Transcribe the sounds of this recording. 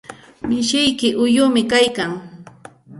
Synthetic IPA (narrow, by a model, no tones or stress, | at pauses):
mɪʃɪjkɪʔʊjʊmɪkajkaŋ